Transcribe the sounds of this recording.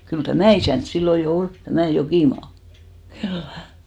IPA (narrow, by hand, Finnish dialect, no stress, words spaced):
kyl tæmæˑ isæˑnt silːo jo ol tæmæˑ jokiˑmɑː khylːæ